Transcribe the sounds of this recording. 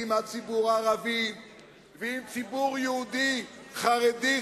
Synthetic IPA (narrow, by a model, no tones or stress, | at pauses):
imhat͡sibuʁaʁavim | viːmt͡sibuʁjuud̪iχaʁɛd̪i